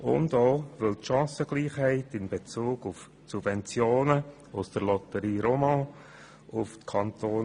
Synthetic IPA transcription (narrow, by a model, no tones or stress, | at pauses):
ʊ̰ndoːvɪltʃɑ̃ːsəɡ̥liːχhɛɪtɪnb̥et͡suːɡ̥ʊf | subvɛnt͡sjoːnə | ʊsd̥əɾlɔtəɾiːɾomɑ̃ | ʊftkʰɑntoː